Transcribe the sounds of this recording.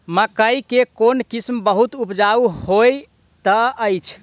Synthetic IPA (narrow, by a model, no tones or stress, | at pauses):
məkəjkekonkismbəɦut̪upd͡ʒauhoj | t̪əəjt͡ʃʰ